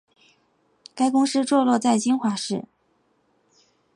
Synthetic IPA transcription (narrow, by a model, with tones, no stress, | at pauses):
ka˥ɪkʊ˥ŋʂɻ̩˥ʈ͡ʂwɔ˥˧lwɔ˥˧t͡sa˥˩ɪt͡ɕi˥nxwa˧˥ʂɻ̩˥˩